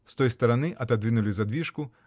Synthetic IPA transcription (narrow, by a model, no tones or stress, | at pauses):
st̪ɔjst̪ɐɾanɨʔɐd̪ad̪ʋʲinʊlʲizɐd̪ʋʲiʂku